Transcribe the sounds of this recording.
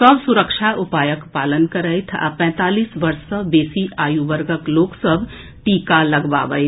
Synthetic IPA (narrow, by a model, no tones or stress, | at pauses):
səbsʊɾəkʃaʊpaːjəkpaːlənkɐɾəjt̪ʰa̰pɛ̃ːt̪aːliːsʋɐɾsəbeːsiʔaːjuʋəɾɡəkloːksəbʱ | ʈiːkalɐɡba̰ʋəj